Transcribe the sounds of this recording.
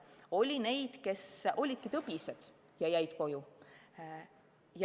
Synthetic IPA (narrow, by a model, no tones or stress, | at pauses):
o̞lʲine̞jd̪̥ke̞sʔo̞lʲid̪̥̚kit̪ɤpised̪̥ | jɑjæjd̪̥ko̞ju | j